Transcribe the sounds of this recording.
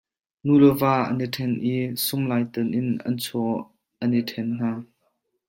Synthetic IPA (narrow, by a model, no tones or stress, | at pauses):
nulɔvaːʔə̰nitʰɛnʔiːsʊmlaːjt̪ənʔɪnɐ̰nt͡sʰɔ | ʔɐnitʰɛnn̥aː